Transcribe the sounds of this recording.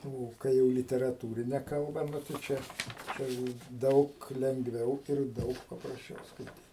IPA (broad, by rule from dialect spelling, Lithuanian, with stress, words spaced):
ˈoː kɐɪ ˈjɛʊ lʲɪtʲɛrɐˈtuːrʲɪnʲɛ kɐlˠˈbɐ ˈnʊ tɐɪ ˈt͡ʃʲɛ ˈt͡ʃʲɛ jɛʊ ˈdɐʊk lʲɛŋɡˈʋʲɛʊ ɪr ˈdɐʊk pɐprɐsʲˈt͡ʃʲɛʊ skɐɪˈtʲiːt